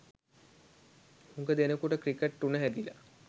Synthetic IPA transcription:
huŋɡəd̪enəkuʈəkɾikeʈrunəɦæd̪ila̰

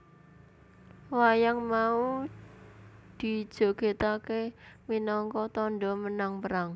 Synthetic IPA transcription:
wajaŋmau | d̪̥i̤d̥ʒ̥ɔ̤ɡ̥et̪akeminɔŋkɔt̪ɔnɖɔmənaŋpəɾaŋ

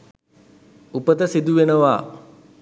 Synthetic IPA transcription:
upət̪əsid̪uʋenəʋaː

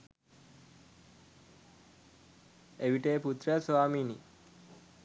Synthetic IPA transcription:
eʋiʈeːput̪ɾəsʋaːmiːni

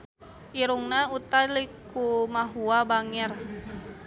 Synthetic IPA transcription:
ʔiɾuŋnaut̪alikumaɦuabaŋɛr

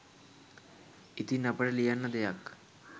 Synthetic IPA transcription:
it̪inəpəɽelijanːəd̪ejak

